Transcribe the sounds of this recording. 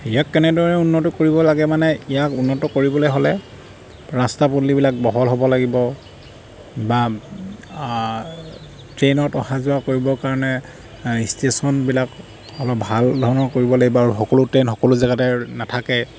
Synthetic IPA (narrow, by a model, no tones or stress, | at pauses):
ijakːɛnɛdɔɹɔnɛunːɔtɔkoɹibɔlaɡɛmanɛijakunːɔtɔkoɹibɔlojɦɔlɛ | ɹastapolibilak̚bɔɦɔlɦobɔlaɡibɔ | ba | tɹenɔtɔhazʊakoɹibɔkaɹɔnɛ | istesɔnbilak | ɔlɔbʱaldʱɔɹɔnɔɹkoɹibɔlaɡibɔaɹuxɔkolʊtɹenxɔkɔlʊzaɡatɛnatʰakɛ